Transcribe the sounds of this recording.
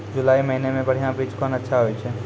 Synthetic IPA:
d͡ʒʊlaːimɐɦinemẽbɐɽ̤ijãbɾiːd͡ʒkɔːnɐtːʃʰaɦoit͡ʃʰɛː

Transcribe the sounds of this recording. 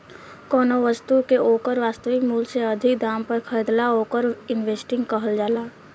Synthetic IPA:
kɔːnoʋəst̪ukeʔoːkəɾʋaːst̪əʋɪkmuːlseɐd̪ʱɪkd̪aːmpəɾkʰəɪd̪laoːkəɾɪnʋeːsʈɪ̃ŋɡkəɦəld͡ʒaːlaː

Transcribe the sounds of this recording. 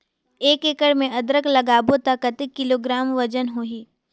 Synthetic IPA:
eːkekəɽmẽʔɐd̪ɾəklɐɡaːbot̪akɐt̪ɪkːɪloːɡɾaːmʋɐd͡ʒənɦoːɦiː

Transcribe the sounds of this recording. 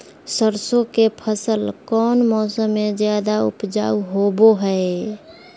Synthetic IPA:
səɾsokepʰəsəlkɔːnmɔːsəmːed͡ʒjad̪aʊ̰pd͡ʒa̰ːuɦoboɦəe

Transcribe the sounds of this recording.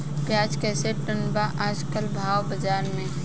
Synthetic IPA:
pjaːd͡ʒkɛːseʈənbaʔaːd͡ʒkəlbʱaːwbəd͡ʒaːɾmẽ

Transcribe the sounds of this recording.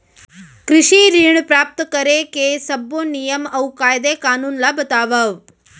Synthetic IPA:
kɾɪʃiɾiɳ̃pɾaːp̚t̪kəɾekesəbonijəmɐʋkaːjd̪ekaːnuːnlabət̪aːʋəʋ

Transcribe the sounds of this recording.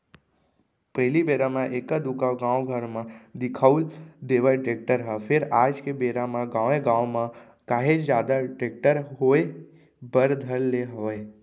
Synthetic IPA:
pəɦɪlibeɾamãʔekəd̪ukaɡãwɡʱəɾmãd̪ɪkʰauld̪eʋaʈɾek̚ʈəɾɦəfʰeɾad͡ʒkebeɾamãɡãʋẽɡãʋmã | kaɦed͡ʒd͡ʒjaːd̪aʈɾek̚ʈəɾɦoe | bəɾd̪ʱəlleɦoe

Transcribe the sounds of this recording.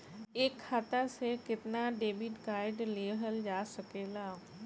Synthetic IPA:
eːkʰːaːt̪asekɪt̪naɖeːbɪʈkaːɪɖleːɦəld͡ʒaːsəkeːlaː

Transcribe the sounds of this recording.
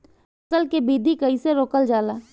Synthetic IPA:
ɐkəlkebiːd̪ʱikɐiseɾoːkəld͡ʒaːlaː

